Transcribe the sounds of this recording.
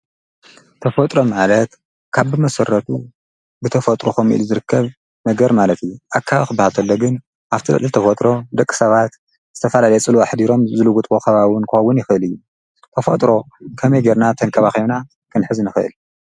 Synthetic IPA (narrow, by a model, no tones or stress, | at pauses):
t̪ʰɐfot̪ʼɾo̞malɐt̪ | kʰaβbɨmɐsɐɾːɐt̪ʰu | bɨt̪ʰɐfɐt̪ʼɾokomʔḭluzɨɾɨkʰːɐβ | nɐɡɐɾmalɐt̪ijːuʔakʰːaβxɨbahalt̪ʰɐlːoɡɨn | ʔaβt̪ʰilɐ̰lʼɨlt̪ʰɐfot̪ʼɾo̞d̪ɐkʼːɨ̥sɐβat̪ | z̥ɨt̪ʰɐfɐlalɐjt͡sʼɨluaħd̪iɾo̞mzɨluɡut̪ʼokʰɐβawɨnkʰɨxɐwːʊnjɪxʔɨlɨjːu | t̪ʰɐfot̪ʼɾo̞ | kʰɐmɐjɡeɾnat̪ʰɐnkʰɐβaxina | kʰɨnħɨznɨxɨʔɨ̰l